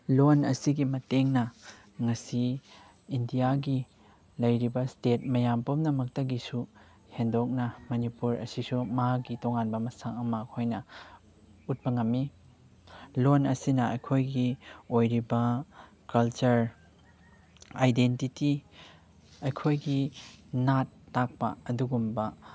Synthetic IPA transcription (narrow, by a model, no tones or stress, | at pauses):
lonɐsiɡimɐteŋnɐ | ŋɐsiː | ndijaɡi | lɐjɾibɐstet̚mɐjampomnɐmɐk̚tɐɡisu | hendok̚nɐmɐnipuɾɐ̰sisumɐɦaɡitoŋanbɐmɐsaŋɐmɐɐkʰojnɐ | ut̚bɐŋɐmːi | lonɐsinɐɐjkʰojɡiojɾibɐ | kɐlt͡ʃɐɾ | ajdentiti | ɐjkʰojɡinatːak̚pɐ̰ɐduɡumbɐ